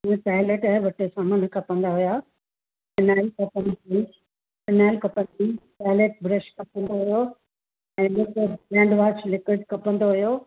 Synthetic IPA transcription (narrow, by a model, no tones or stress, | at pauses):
paːɪleʈaɦʋɐʈesãmɐnkʰɐpə̃nd̪aɦʊjaː | fɪnaːɪlkɐpə̃ni | fɪnaːɪlkɐpə̃nd̪ipaːɪleʈ̚bɾəʃkɐpə̃nd̪oɦʊjo | ɛ̃ːlʊkobɾɛ̃ːɳɖʋaːt͡ʃlɪkɪɖkɐpə̃nd̪oɦijo